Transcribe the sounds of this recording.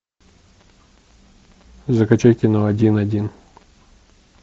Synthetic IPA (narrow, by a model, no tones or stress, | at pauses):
zɐkɐt͡ʃajkʲɪnɐɐdʲinɐdʲin